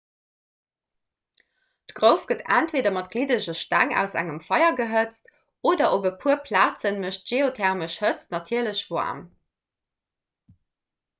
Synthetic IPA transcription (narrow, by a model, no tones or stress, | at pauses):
tɡ̥ʁəʊfɡ̥ətæntveːdɐmɑt̚ɡ̥lidəʑəʃtæŋæ̰ʊsæ̰ŋəmfɑɪɐɡəɦət͡st | oːdɐʔobəpʰuəpʰlaːt͡sənməʃtʒ̥eːotʰɛʁməʃhət͡snɑtʰiːɐləɕvoa̰ːm